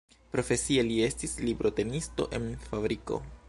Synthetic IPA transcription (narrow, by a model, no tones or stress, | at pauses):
pɾo̞fe̞sielie̞stislibɾo̞te̞nisto̞̰ʔe̞nfabɾiko̞̰